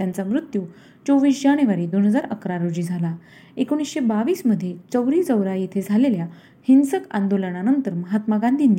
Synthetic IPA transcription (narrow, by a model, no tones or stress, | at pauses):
t̪jant͡samɾut̪ju | t͡soʋiːsd͡ʑaɽ̃eʋaɾiːd̪onɦəd͡zaɾə̰kɾaɾod͡ʑiːd͡zʱala | ekoɽ̃iːsɕebaʋiːsməd̪ʱːjet͡səwɾiːd͡zəwɾajet̪ʰed͡zʱalelja | hinsəka̰nd̪oləɳ̃anənt̪əɾməɦat̪maɡand̪ʱiːn